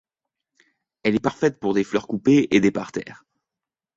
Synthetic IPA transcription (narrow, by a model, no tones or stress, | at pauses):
ɛlɛpaʁfɛt̪puʁd̪eflœʁkupeed̪epaʁt̪ɛ̰ːʁ